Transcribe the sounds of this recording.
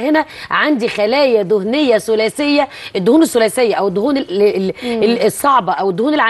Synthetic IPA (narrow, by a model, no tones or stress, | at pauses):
henæʕand̪ixælæːjæd̪ohnejːæsʊlæːsejːæ | ʔed̪ːohuːnesːʊlæːsejːæʔæwed̪ːohuːne | sˤːɑʕbɑʔæwed̪ːʊhuːnelʕa